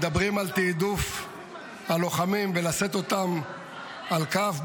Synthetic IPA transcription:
d̪abʁimalt̪id̪uf | halo̞χamimvelase̞t̪o̞t̪am | alkaf

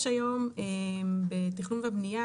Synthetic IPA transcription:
ʃajo̞membetiχnunveabnija

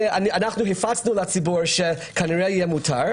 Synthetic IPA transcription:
ananaχnuɦifat͡snuleat͡sibuɾʃekʰaniʁejijɛmutʰaɾ

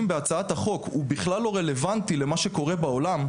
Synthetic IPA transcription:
mbeat͡saat̪haχo̞kubiχlalːo̞ʁe̞le̞vant̪ile̞maʃeko̞ʁebao̞lam

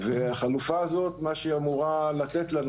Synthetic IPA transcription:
veaχalufaːzo̞t̪maʃeamuʁalat̪et̪lan

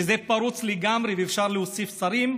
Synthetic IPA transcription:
ezepaɾut͡sleɡamɾiveːfʃaʁleosifsaɾim

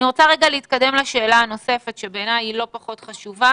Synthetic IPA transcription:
niʁot͡saʁeɡaleit̪̚kade̞mlaʃe̞ːlaano̞se̞fetʃebeːnajilo̞paχo̞tχaʃuva

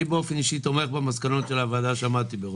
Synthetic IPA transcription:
beo̞feniʃit̪o̞meχbemaskano̞t̪ʃe̞laːvad̪aʃeamat̪ibeʁ

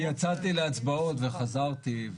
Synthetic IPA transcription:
jat͡sat̪ileat͡sbao̞t̪ve̞χazaʁt̪iv

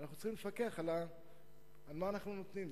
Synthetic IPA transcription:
naχnutt͡sχimlefake̞aχalaː | lmaːnaχnunot̪nim

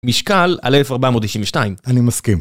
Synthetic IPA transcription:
miʃkala̰lelefaʁbamod̪̚t̪iʃinveʃnaimanimaskim

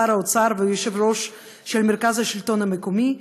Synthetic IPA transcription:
aɾaot͡saɾveujeʃɛvɾoʃ | ʃelmeɾkazaʃilt̪onamekomi

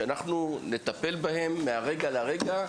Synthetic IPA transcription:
anaχnune̞t̪ape̞lbahe̞mːeaʁe̞ɡalaʁe̞ɡa

